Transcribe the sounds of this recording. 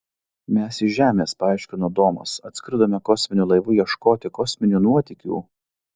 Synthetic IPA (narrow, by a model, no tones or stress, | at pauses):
mʲɛsɪʒʲæːmʲeːspɐɑˑɪʃʲkʲɪnod̪oːmɐ̰sɐt̪ʲsʲkʲɾd̪oːmʲɛkɔsʲmʲɪnʲuːlˠɐɪʋuːjiɛʃkoːt̪ʲɪkɔsʲmʲɪnʲuːnuɔt̪ʲɪkʲṵː